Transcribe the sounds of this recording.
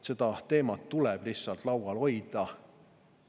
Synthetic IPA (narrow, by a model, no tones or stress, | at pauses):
se̞d̪̥ɑt̪e̞ːmɑt̪ːulɛb̥lihsːɑlt̪lɑwwɑlo̞jd̪̥ɑ